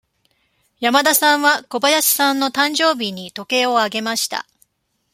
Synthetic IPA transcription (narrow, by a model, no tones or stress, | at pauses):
jamad̪asãɰ̃βako̞bajaɕi̥sãnːo̞t̪ãɲd͡ʑo̞ːbʲiɲ̟it̪o̞ke̞ːo̞aɡe̞maɕi̥t̪a̰